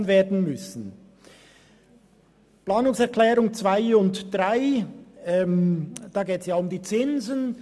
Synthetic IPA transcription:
nveːɐdn̩mʏsn̩ | plaːnʊŋsɛʁkʰlɛːɾʊŋt͡sv̥aɪʊntd̥ʁaɪɛmd̥ɑːɡeːtsjaːʊmdiːt͡sɪnzən

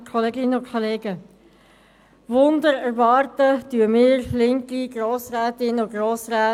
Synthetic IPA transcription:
kʰoleːɡɪnəʊkʰoleːɡə | ʋʊndəɾɛɾʋɑːɾtətyəmɪːɾlɪŋkiɡ̥roːsræːtɪnʊɡɾoːsræː

